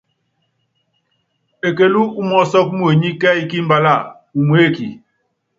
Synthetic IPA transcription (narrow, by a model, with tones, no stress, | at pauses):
e˨ke˦lu˦u˦mɔ˦sɔ˦k̚mu˦e˨ɲi˦kɛ˦i˦ki˦m̩˦ba˦la˦˨ | u˨mwe˦˨ki˨